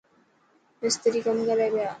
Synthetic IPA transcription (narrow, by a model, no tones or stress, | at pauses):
best̪eɾikamɡaɾajβea